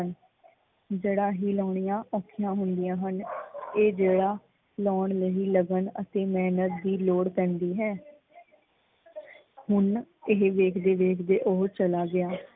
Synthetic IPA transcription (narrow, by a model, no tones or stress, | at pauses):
ən | d͡ʒeːɽaːɦiːlɔːɳijãːʔɔːkʰɪjãːɦʊnd̪ɪjãːɦəneːd͡ʒeːɽaː | lɔːɳləɦiːləɡənə̰t̪eːmɛːnət̪̚d̪iːloːɽpɛ̃ːnd̪iːɦɛː | hʊnɪɦʋeːkʰd̪eːʋeːkʰd̪eːʔoːt͡ʃəlaːɡɪaː